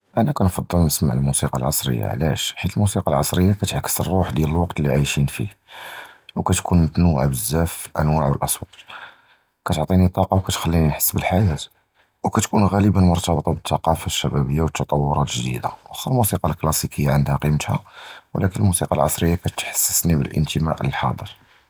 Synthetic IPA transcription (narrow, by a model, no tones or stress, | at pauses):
ʔænækænfɑd̪ˤːəlnəsma̰ʕəlmusiqɑ̰lʕɑsˤɾə̰jːa̰ʕlæ̰ʃħit̪əlmusiqɑlʕɑsˤɾəjːakæt̪ʕkːə̥sərˤːuħd̪jæləlwɑqt̪lːiʕajʃinfḭ | wkæt̪kʰunmət̪nəwʕbəzːæflʔæ̰nwaʕwəlʔɑswɑt̪ˤ | kæt̪oʕt̪ˤinit̪ˤːɑqɑwkæt̪xælːiniħə̥sːbəlħajæt̪ | wkæt̪kunɣæləbənmʊɾt̪ɑbt̪ˤɑbət̪ːɑqɑfaʃːæbæbəjːawət̪ːɑt̪ˤɑwːʊɾˤɑt̪ʒd̪ḭd̪a̰wsɑlmusiqɑlklɑsikəjːaʕənd̪hæqimət̪hæwlækənəlmusiqɑlʕɑsˤɾəjːakæt̪ħə̥sːə̥snibə̰lʔə̰nt̪əmæ̰ʔə̰lħɑ̰d̪ˤəɾ